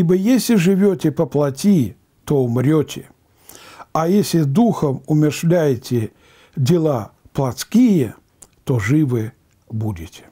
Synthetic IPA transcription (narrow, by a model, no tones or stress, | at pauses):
ibəjesʲlʲɪʐɨvʲotʲɪpəplˠɐtʲi | t̪oʊmɾʲotʲɪ | ajesʲlʲɪd̪uxəmʊmʲɪrʂlʲæjɪtʲɪ | dʲɪlˠaplˠɐt̪skʲijə | t̪oʐɨvɨ | budʲɪtʲɪ̥